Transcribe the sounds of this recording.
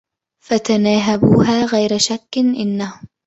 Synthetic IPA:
fat̪anaːɦabuːɦaːɣajɾaʃakːɪnʔɪnːahʊm

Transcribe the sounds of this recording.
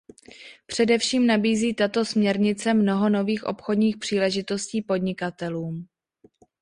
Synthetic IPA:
pr̥ɛdɛfʃiːmnabiːziːt̪at̪o̞smɲɛɾɲɪt͡sɛmno̞ɦo̞no̞viːxʔo̞̰pxodɲiːxpr̥iːlɛʒɪt̪o̞sciːpo̞dɲɪkat̪ɛluːm

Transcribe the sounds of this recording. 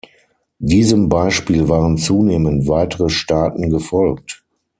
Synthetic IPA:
diːzəmbaɪʃpiːlvaːʁənt͡suːneːməntv̥aɪtəʁəʃtaːtn̩ɡəfɔlk̚t

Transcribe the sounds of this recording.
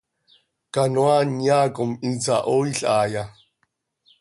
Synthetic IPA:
kanwanjaːkʼʊmint͡saʔoːiɬaːja

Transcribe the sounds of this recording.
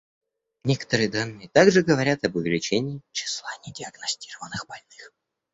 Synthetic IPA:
nʲekə̥t̪əɾɨjəd̪anːɨjət̪aɡʐɨɡəvɐɾʲat̪ɐbʊvʲɪlʲɪt͡ɕenʲɪːt͡ɕɪ̥slˠanʲɪdʲɪəɡnɐsʲtʲi̥rəvənːɨxbɐlʲnɨx

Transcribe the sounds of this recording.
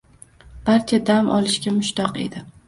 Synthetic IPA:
b̥aɾt͡ʃʰad̪amʔɒ̰lɪʃkʲamʊʃt̪ɒqe̞̰d̪ɪ

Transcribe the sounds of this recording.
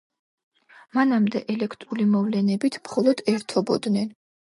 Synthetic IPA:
manamd̪ɛʔɛlɛkʰt̪ʼɾulimɔvlɛnɛbit̪ʰmχɔlˠɔd̪̥ɛɾt̪ʰɔbɔd̪nɛn

